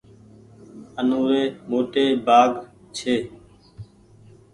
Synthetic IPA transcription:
ənoːɾeːmoːʈeːbaːɡ | t͡ʃʰeː

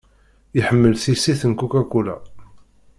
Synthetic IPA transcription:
iħəmːəlθisiθənkːukækːulæ̰

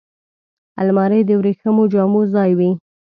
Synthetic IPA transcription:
a̰lmɑɾed̪əwɾexəmod͡ʒɑmozɑjwi

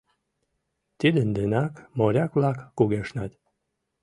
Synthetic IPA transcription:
t̪id̪ənd̪enakmoɾʲaklakːuɡeʃnat̪ʲ

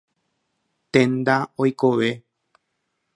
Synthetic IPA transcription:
t̪ẽnd̪aojko̞ʋe

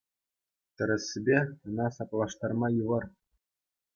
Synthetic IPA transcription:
t̪ʲɘ̆ɾʲɘ̆sʲːɘ̆bʲeɤ̆nɑsɑplˠɑʂt̪ɑrmɑjuʋɤ̆r

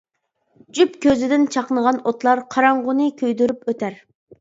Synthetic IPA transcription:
d͡ʒypkʲʰøzɪd̪ɪnt͡ʃʰɑqnəʁɑnot̪lˠɑɾqʰɑɾɑɴʁʊnɨkʲʰøjd̪yɾypøt̪ʰæɾ

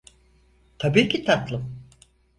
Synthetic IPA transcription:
t̪ʰabiːcʲʰit̪ʰat̪lˠɯm

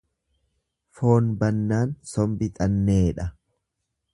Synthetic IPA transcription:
fo̞ːnbɐnːaːnsɔmbɪt̪ʼɐnːe̞ːᶑɐ

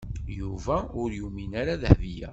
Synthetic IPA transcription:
juvæʊɾjuminaɾaðəhvijæ̰

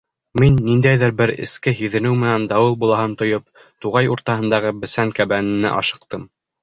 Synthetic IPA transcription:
minːind̪æjðɘɾbɘɾɘ̰̆skɘɦiðɘ̆nɘwmɘ̆nænd̪ɑwɤlˠbulˠɑɦɤnt̪ŏjop̚ | t̪uʁɑjuɾt̪ɑhɤ̆nd̪ɑʁɤbɘ̆sæŋkæβænɘ̆nɘ̰ʔɑʃɤ̆q̚t̪ɤm

